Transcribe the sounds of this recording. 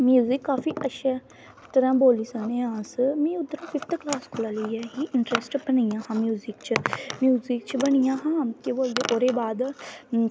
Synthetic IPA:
mjuːzɪkːaːfiːʔəʃʰeː | t̪əɾãːboːliːsaːnẽːãːsmɛ̃ːʊt̪ːəɾãːpʰɪft̪klaːskʰolaːləiɛːɦiːʔɪɳʈɾesʈbənajãːhãːmjuːzɪkt͡ʃəmjuːzikt͡ʃbənijãːɦãːkiboːld̪eːʔoːɾeːbaːd̪

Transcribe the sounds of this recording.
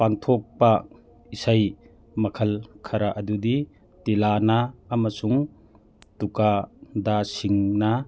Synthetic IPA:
paŋt̪ʰɔk̚pa | isaj | mɐkʰɐlkʰaɾaʔɐd̪ud̪i | t̪ilanaːmɐsuŋ | tukad̪asiŋna

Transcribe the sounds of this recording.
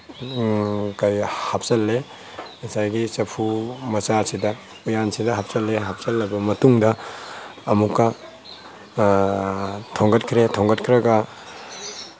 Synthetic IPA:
kɐjhap̚sɐlːe | ɐsajɡisɐpʰumɐsasidɐ | ujansidɐɦap̚sɐlːeɦap̚sɐlːɐbɐmɐtuŋdɐː | mukːɐ | tʰoŋɡɐt̚kʰɾetʰoŋɡɐt̚kʰɾɐɡɐ

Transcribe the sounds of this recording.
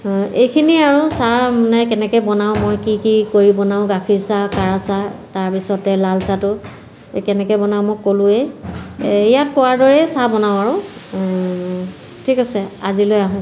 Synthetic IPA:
ejkʰiniaɹʊsamanɛkɛnɛkɛjbɔnaʊ̃mojkikikoɹibɔnaʊ̃ɡakʰiɹsakaɹasataɹpisɔtɛlalsatʊ | kɛnɛkɛjbɔnaʊ̃mɔjkolʊ̃ɛ | ijat̚kɔwaɹdɔɹɛsabɔnaʊ̃aɹʊ̃ | tʰikasɛazilojaɦʊ̃

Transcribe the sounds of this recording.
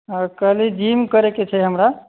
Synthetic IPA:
əkəɦlid͡ʒimkəɾeket͡ʃʰɛɦəmɾa

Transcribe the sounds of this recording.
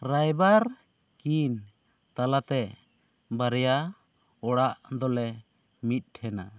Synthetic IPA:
ɾajbaɾ | kin | t̪alat̪ɛ | baɾɛja | ɔɽaʔd̪ɔlɛ | mit̪̚ˀʈʰɛna̰

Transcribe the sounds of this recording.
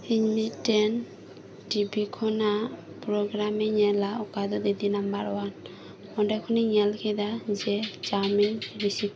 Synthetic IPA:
iɲmitɛn | ʈibikʰɔna | pɾɔɡɾamiɲɛlaɔkad̪ɔd̪id̪inambaɾɔwan | ɔɖɛkʰɔniɲɛlkʰɛd̪ad͡ʒɛd͡ʒaminɾisi

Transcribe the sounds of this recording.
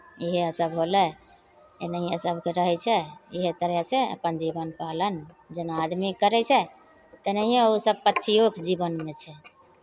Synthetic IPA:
iɦeəsəbɦolɛ | enəɦiəsəbkeɾəɦɛt͡ʃʰɛiɦet̪əɾjaseə̰pənd͡ʒibənpalən | d͡ʒənad̪mikəɾɛt͡ʃʰɛ | t̪ənəiẽusəb̚pətːʃʰiokd͡ʒibənmet͡ʃʰɛ

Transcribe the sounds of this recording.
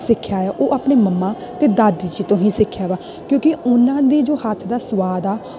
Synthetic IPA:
sɪkʰːjaːaːʔoːʔaːpneːməmːaː | t̪eːd̪aːd̪iːd͡ʒiːt̪õːɦĩːsɪkʰːjaːʋaː | kjõːkiʊnãːd̪iːd͡ʒoːhət̪ʰd̪aːsəʋaːd̪aː

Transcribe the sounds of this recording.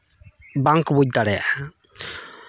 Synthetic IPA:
baŋkbuc̚d̪aɽɛa̰ʔ

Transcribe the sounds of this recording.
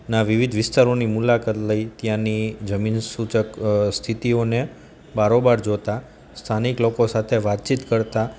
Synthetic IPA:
naʋiʋid̪ʱʋɪst̪aɾonimulakat̪ləit̪jãnid͡ʒəminsut͡ʃəkst̪ʰit̪ione | baɾobaɾd͡ʒot̪a | st̪ʰaniklokosat̪ʰeʋat̪̚t͡ʃit̪kəɾt̪a

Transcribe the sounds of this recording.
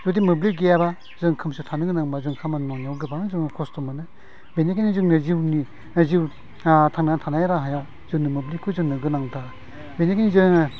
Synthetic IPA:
zodimɯblik̚ɡijaba | zɯŋkʰɯmsutʰanɯɡɯnaŋbazɯŋkʰamannɔnawɡɯbanɯzɯŋnkʰɔstɔmanɯ | benekʰinizɯŋnɯziwni | ziw | tʰaŋnatʰanajɾaɦaja | zɯŋnɯmɯblikʰːuzɯŋnɯɡɯnaŋtʰa | benekʰinizɯŋ

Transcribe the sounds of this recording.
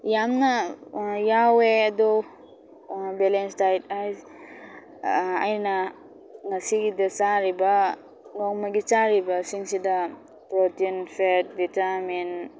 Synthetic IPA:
jamnajaweɐdɔ | belensdajt̚aj | a̰jna | ŋasiɡidat͡ʃaɾiba | ŋɔŋmaɡit͡ʃaɾibasiŋsida | pɾotinpʰet̚ditamin

